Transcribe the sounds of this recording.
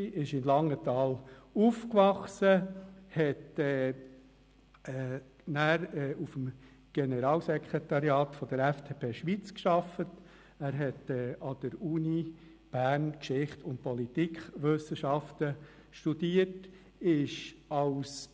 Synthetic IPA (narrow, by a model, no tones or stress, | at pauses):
ʔɪʃɪnlɑŋːət̪ɑːlufkʋɑχsəhɛtɛ | ɛ | næːɾɛːufəm | ɡ̥ɛnəɾɑːlsɛkʰɾet̪ɑɾjɑːt̪fɔd̪əɾɛft̪ʰeːpʰeːʃʋit͡skʃɑfət | æːɾɦɛtɛːɑd̥əɾuːni | b̥æːɾnkʃɪχtʊnt̚pɔlit̪ikχʋʏsəʃɑft̪ə | ʃtud̥̪iət | ɪʃɑʊs